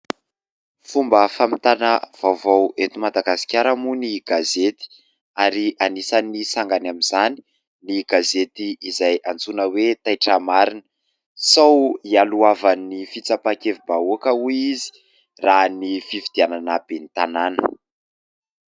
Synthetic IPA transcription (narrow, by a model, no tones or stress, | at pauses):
fumbəfamit̪anəv̥awvowet̪umad̪aɡasi̥kʲaɾəmuniɡazet̪i̥ | aɾianisanisaŋɡanamizani̥ | niɡazet̪iːzajant͡sunəwet̪ajʈ͡ʂamaɾinə̥ | sawialuavanifit͡sapakevibauakəuizi̥ | ranifivid̪̥iananəb̥enit̪ananə